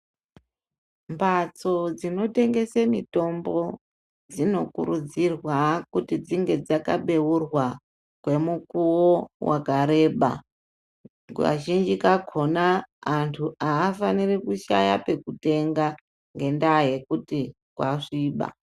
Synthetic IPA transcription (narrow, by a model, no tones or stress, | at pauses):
mbʱat͡so̞d͡zino̞te̞ŋɡe̞semito̞mbo̞ | d͡zino̞kṵɾud͡zirwakutid͡ziŋɡe̞d͡zaka̰ɓe̞wurwa | kwe̞mukuwowakaɾe̞ːɓa̰ | wa̰ʒind͡ʒikakʰo̞naːntʰuʔaːfanirikuʃa̰jape̞kute̞ŋɡa | ŋɡe̞ndaje̞kuti | kwaʂiːɓa̰